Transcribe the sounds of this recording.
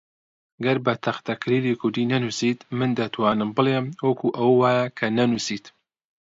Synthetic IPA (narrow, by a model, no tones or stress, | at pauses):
ɐɡɐɾbɐt̪ʰɐxt̪ɐkʰɨɾiːlikʰʊɾd̪iːnɐnusiːt̪mɨnd̪ɐt̪ʰwaːnɨmbɨleːmwɐkʰuʔɐwwaːjɐkʰɐnɐnusiːt̪